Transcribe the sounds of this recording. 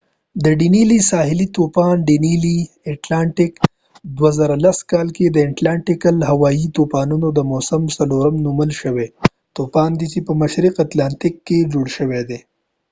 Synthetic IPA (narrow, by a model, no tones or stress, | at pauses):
d̪əɖinilisɑɦɪlit̪opɑnɖinili | eʈlɑɳʈɪk | d̪wazaɾalaskɑlked̪əɪʈlaɳʈɪkəlɦawɑit̪opɑnunod̪əmosəmsaloɾɐmnuməlʃəwe | t̪opɑnd̪it͡ʃepəmaʃɾiqat̪lɑnt̪ɪkːed͡ʒoɽʃəwed̪e